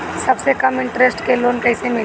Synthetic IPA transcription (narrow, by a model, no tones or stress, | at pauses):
sɐbsekɐmɪ̃ɳʈɾesʈkeloːnkɐːsemɪl